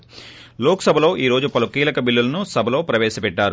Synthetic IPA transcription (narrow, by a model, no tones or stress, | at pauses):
loːksɐbʱɐlo̞ːʔiːɾo̞ːd͡ʒupɐlukiːlɐkɐbilːulɐnusɐbʱɐlo̞ːpɾɐʋɛːʃɐpɛʈːaːɾu